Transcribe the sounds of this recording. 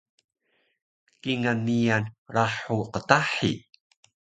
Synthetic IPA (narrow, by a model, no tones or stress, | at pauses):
kiŋanːijanɾaħuqətaħḭ